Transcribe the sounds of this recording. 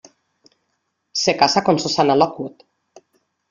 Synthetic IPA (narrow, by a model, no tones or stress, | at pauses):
sekasakonsosanalɔkut̪